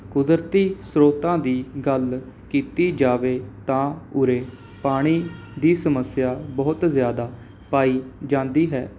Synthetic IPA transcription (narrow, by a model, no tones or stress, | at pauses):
kʊd̪əɾt̪iːsɾoːt̪ãːd̪iːɡəlkiːt̪iːd͡ʒaːʋeːt̪ãːʊɾeː | paːɽ̃iː | d̪iːsəməsjaːbɔːt̪zjaːd̪aː | paːiːd͡ʒãːnd̪iːɦɛː